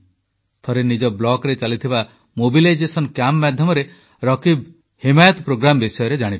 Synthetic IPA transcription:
t̪ʰɔɾenid͡ʒɔblɔkɾet͡ʃalit̪ʰiba | mobilajd͡ʒesɔnkjamːad̪ʱjɔmɔɾe | ɾɔkib | himajɔt̪ɔpɾoɡɾambisɔjɔɾed͡ʒaɽ̃ib

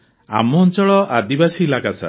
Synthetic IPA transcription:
a̰mɔnt͡ʃɔɭɔʔad̪ibasielakasa̰

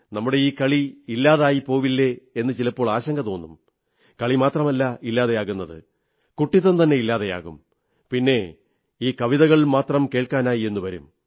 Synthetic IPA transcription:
nɐmːuɽe̞iːkɐɭiilːaːðaːjipo̞ːʋilːeenːɨt͡ɕilɐpːo̞ːɭaːɕɐŋɡɐt̪o̞ːnːṵm | kɐɭimaːt̪rɐmɐlːɐʔilːaːðejaːɣunːɐðɨ̰ | kuʈːiðɐnt̪ɐnːe̞ilːaːðeja̰ːɣṵm | pinːe̞ | iːkɐʋiðɐɣɐɭmaːt̪rɐmke̞ːɭkaːnaːjie̞nːuʋɐɾṵm

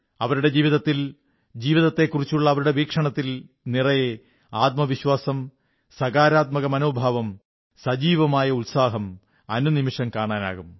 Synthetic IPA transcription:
ɐʋɐɾuɽe̞d͡ʑiːʋiðɐt̪ːil | d͡ʑiːʋiðɐt̪ːe̞kːurit͡ɕːuɭːɐːʋɐɾuɽe̞ʋiːkʂɐɳɐt̪ːil | nirɐje | aːt̪̚mɐʋiɕwaːsɐm | sɐɣaːɾaːt̪̚mɐɣɐmɐnoːbʱaːʋɐm | sɐd͡ʑiːʋɐmaːjɐulsaːɦɐm | ɐnunimiʂɐmkaːɳaːna̰ːɣum

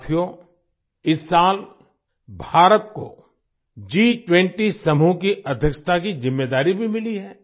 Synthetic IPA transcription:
t̪ʰijo | ɪsːaːl | bʱaːɾət̪ko̰ | d͡ʒiːʈwɛ̃ɳʈisɐmukiʔɐd̪ʱjəkʃə̥t̪ʰakizɪmːeːd̪aːɾibʱimɪliɦɛː

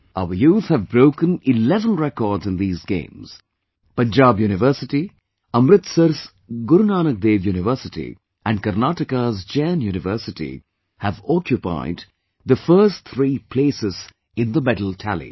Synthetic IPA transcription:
aəjuːθhævbɾoʊkə̃nɪlɛvə̃nɹɛkɔːɾdzɨ̃nd̪iːzɡḛ̃ɪ̃mz̥ | pʌ̃nd͡ʒaːbjuːnɪʋəɾsɪʈi | ʌmɾɪt̪səɾs | ɡʊɾnaːnək̚d̪eːʋjuːnɪʋəːsɪʈḭ | ʔæ̃nɖkəɾnaʈɪkəzd͡ʒɛ̃njuːnɪvəːsɪʈḭ | hævɔkʰjʊpa̰ɪd | d̪əfəːstt̪ʰɾiːpʰleːsɪz̥ | ɪ̃nd̪əmɛdl̩ˠtʰælḭ

